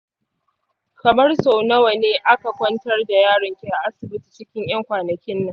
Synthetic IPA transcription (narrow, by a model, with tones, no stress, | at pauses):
kɐ˨mɐ˦rso˨nɐ˦wa˨neː˦ʔa˦ka˨kʷɐ˦ntɐ˦rda˨jaː˦˨ɽɐ˨ŋkʲe˨ʔa˨ʔa˦sɪ˨bɪ˦ti̥˨t͡ʃɪ˦kʲɪ˦ŋʔj̰ɐ˦ŋkʷaː˨nɐ˨kʲɪ˦nːɐ˦